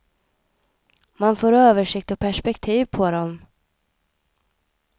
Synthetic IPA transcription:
manfoːɾøːvəʂɪk̚t̪ɔpʰæʂpɛkt̪ʰiːvpʰɔd̪ɔm

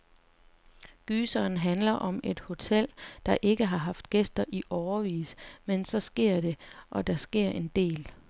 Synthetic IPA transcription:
ɡ̥yːsɒːn̩ɦænlɐʔɒ̽me̝d̥ho̝t͡sʰel̰d̥ɑ̈ʔe̝ɡ̥əɦɑ̈ɦɑ̈fd̥ɡ̥esd̥ɐʔiʔɒʊɐʋḭːsmensɒ̽sɡ̥e̝ɐ̰d̥e̝ʔɒ̽d̥ɑ̈sɡ̥e̝ɐ̰ʔe̝nd̥e̝̰ːl

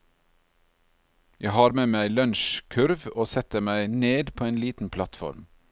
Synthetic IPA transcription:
jʔæɪhɑːɾmeːmæɪlœnʃkʰʉɾʋoːsɛt̪əmæɪneːd̪pʰoːeːnliːt̪n̩pʰlɑt̪fɔ̰ɾm

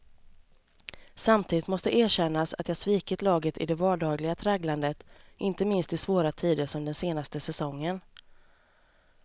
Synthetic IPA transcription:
samt̪ʰiːd̪ɪt̪mɔst̪əʔeːɕɛnːasa̰t̪jɑːsviːkət̪lɑːɡət̪ɪ̰d̪ɛvɑːɖɑːɡlɪɡat̪ʰɾɛːɡland̪ət̪ʔɪnt̪əmɪnst̪ɪsvoːɾat̪ʰiːd̪əʂɔmd̪ɛnseːnast̪əsɛsɔŋːən

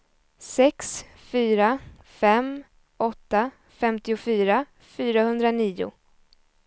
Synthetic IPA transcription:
sɛks | fyːɾa | fɛm | ʔɔt̪ːa | fɛmt̪ɪʊfyːɾa | fyːɾahɵnd̪ɾaniːʊ̰

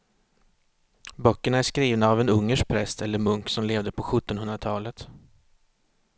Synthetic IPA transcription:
bœkːəɳaæʂkɾiːvnaːvɛnɵŋːəʂ̚pʰɾɛst̪ɛlːəɾmɵŋksɔmleːvd̪əpʰɔɧɵt̪ːɔnhɵnd̪ɾat̪ʰɑːlət̪

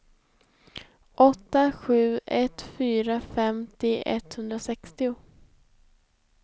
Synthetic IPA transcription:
ʔɔt̪ːaɧʉ̟ːɛt̪fyːɾafɛmt̪ɪɛ̰t̪hɵnd̪ɾasɛkst̪ɪʊ

